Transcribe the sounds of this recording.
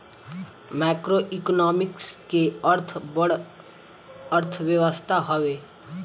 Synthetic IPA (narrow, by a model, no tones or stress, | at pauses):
maːkɾoʔɪknɔːmɪkskeəɾt̪ʰbəɽ | əɾt̪ʰʋjəʋəst̪ʰaɦəʋeː